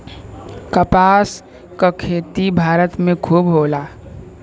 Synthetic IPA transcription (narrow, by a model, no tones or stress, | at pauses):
kəpaːs | kakʰeːt̪ibʱaːɾət̪mẽkʰuːbɦoːla